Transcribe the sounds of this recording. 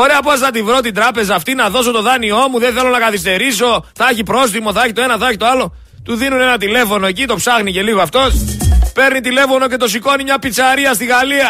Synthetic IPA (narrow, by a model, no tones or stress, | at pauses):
oɾeɐposnɐt̪ivɾo̞t̪̬ind̪ɾɐpe̞zɐːft̪inɐðo̞s̬o̞t̪o̞ðɐnio̞muðenθe̞lo̞nɐkɐθist̪e̞ɾiso̞θɐeçipɾo̞s̬t̪imo̞θɐeçit̪oe̞nɐθɐeçit̪oɐlo̞ | t̪uðinune̞nɐt̪ile̞fo̞no̞ecit̪o̞psɐxnice̞liɣoɐft̪o̞spe̞ɾnit̪ile̞fo̞no̞ce̞t̪o̞siko̞nimɲɐpit͡sɐɾiɐst̪iɣɐliɐ